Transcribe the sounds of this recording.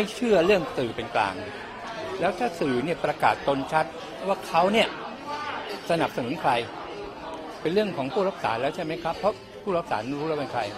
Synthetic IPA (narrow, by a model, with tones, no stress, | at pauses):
ma˥˩jt͡ɕʰɯ˥˩ɐɾɯ˥˩əŋt̪ɯː˨˩pe˧nkla̰ː˧ŋ | lɛː˦˥wt̪ʰaː˥˩sɯː˨˩ni˥˩ɐpɾa˧ka̰ː˨˩t̪ːo˧nt͡ɕʰa˦˥t̪̚ | waː˥˩kʰa˦˥wni˥˩ɐ | sa˧na˨˩p̚sa˧nu˩˦nkʰɾa˧j | pe˧nɾɯ˥˩əŋkʰɔː˩˦ŋpʰuː˥˩ɾa˦˥p̚sa̰ː˩˦lɛː˦˥wt͡ɕʰa˥˩jma˦˥jkʰa˦˥pʰːɔ˦˥ | pʰuː˥˩ɾa˦˥p̚saː˩˦n˧˩ɾuː˦˥a˥˩ka˧nkʰɾa˧j